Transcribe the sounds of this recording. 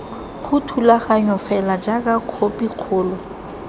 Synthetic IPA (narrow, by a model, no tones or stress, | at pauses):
χʊtʰulaχaɲɔfɛlad͡ʒakʼakʰopʼiq͡χʰʊːlɔ